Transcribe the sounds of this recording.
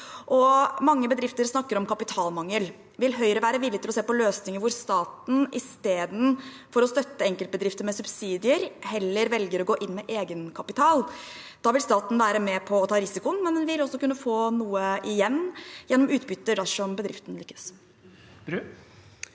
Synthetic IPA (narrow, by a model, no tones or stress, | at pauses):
ʔɔmɑŋːəbəd̪ɾɪft̪əɾsnɑkːəɾɔmkʰɑpɪt̪ʰɑːlmɑŋːəl | ʋɪlɦœʏɾəʋæːɾəʋɪlːɪt̪ɪlɔseːpɔløːsnɪŋəɾʋʊɾst̪ɑːt̪n̩ʔɪst̪eːd̪n̩ | fɔɾɔst̪œt̪ːəɛŋkəlt̪̚bəd̪ɾɪft̪əɾmɛsʉbsiːd̪ɪəɾhɛlːəɾʋɛlɡəɾɔɡoːʔɪnːmɛʔeːɡənkʰɑpɪt̪ʰɑːl | d̪̥ɑːʋɪlst̪ɑːt̪n̩ʋæːɾəmɛpʰɔːt̪ʰɑːɾɪsɪkʊənmɛnnɪɪlɔsːɔkʉnːəfoːnuːəʔɪjɛnːjɛnːɔmʉːt̪̚bʏt̪ːəɖæʂɔmbəd̪ɾɪft̪n̩lʏkːəs